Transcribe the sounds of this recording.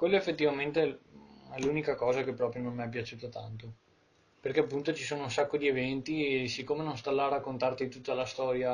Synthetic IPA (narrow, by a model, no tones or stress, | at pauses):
kwelːoefːet̪ːivament̪eɛluːnikakɔːzakepːɾɔːpɾjononmiap̬jat͡ʃuːt̪at̪a̰nt̪o | perkeapːunt̪ot͡ʃisoːnounsakːod̪ievɛnt̪isikːomenonst̪alːaːɾakːont̪art̪it̪ut̪ːalast̪ɔːɾja